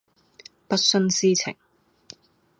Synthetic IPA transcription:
pɐ˥t̚sɵ˥nsiː˥t͡sʰɪ̰˨˩ŋ

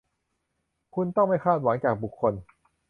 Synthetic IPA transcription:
kʰu˧nt̪ɔ˥˩ŋma˥˩jkʰaː˥˩t̪̚wa˩˦ŋt͡ɕaː˨˩k̚bu˨˩kʰːo˧n

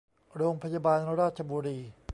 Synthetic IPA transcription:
ɾoː˧ŋpʰaː˧ja˧baː˧n˧ɾaː˥˩t̪̚t͡ɕʰa˧buː˧ɾiː˧

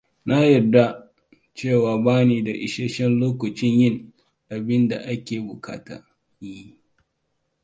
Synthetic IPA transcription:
na˦jɐ˨da˦ | t͡ʃeː˦˨waː˨baː˦niː˨da˨ʔɪ̰˨ʃe˦ʃɛ˦nloː˦kʷɐ˨t͡ʃɪ˦ɲjɪ˦ŋ | ʔa˨bɪ˦nda̰˨ʔa˦kʲeː˨bʊ˨kʰa̰ː˦ta̰ː˦ | ji˦

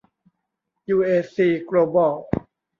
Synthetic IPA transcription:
juː˧ʔeː˧siː˧˩kloː˧bɔː˧˩w

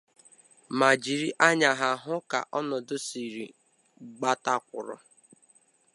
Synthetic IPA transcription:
ma˨d͡ʒi˨ɾi˦ʔa˦ɲa˨ɦa˨ɦʊ˦ka̰˨ʔɔ˦nɔ˨dʊ˦si˨ɾi˨ | ɡ͡ba˦ta˦kʷʊ̰˨ɾɔ̰˨

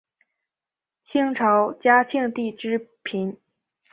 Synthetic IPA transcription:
t͡ɕʰi˥ŋʈ͡ʂʰɑ˧˥ʊt͡ɕja˥t͡ɕʰi˥˧ŋt̪i˥˩ʈ͡ʂɻ̩˥pʰi˧˥n

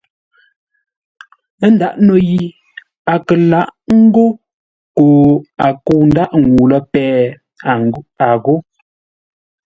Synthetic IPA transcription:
n̩˦da˦˨ʔno˦˨ji˨ | a˨kə˨la˦ʔŋ̩˦ɡo˦ | koː˨a˨ko˦˨n̩˦da˦ʔŋ˨ɡu˨lə˦pɛː˨˦˨ | a˨ɣo˦

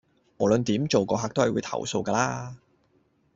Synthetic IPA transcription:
mɔ˨˩lɵ˨˧nt̪iː˨˥mt͡ʃo˨wkɔː˧ɦaː˧k̚t̪o˥whɐ˨jwuː˨˧jt̪ʰɐ̰˨˩wso̰˧wkɐː˧laː˥

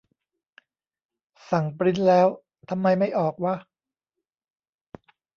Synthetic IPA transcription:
sa˨˩˦ŋpɾi˦˥nlɛː˦˥w | t̪ʰa˧mːa˧jma˥˩jʔɔː˨˩k̚wa˦˥

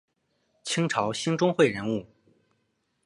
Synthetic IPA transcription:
t͡ɕʰi˥ŋʈ͡ʂʰɑ˧˥ʊɕi˥ŋʈ͡ʂʊ˥ŋxwe˥˩ɪɻə˧˥nu˥˩

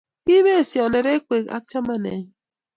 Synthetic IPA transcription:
i˦me˦˨si˨ɔ˨ne˨ɾe˦kʷe˨ka̰˦kt͡ʃa˦ma˦nḛ˨ɲi˦

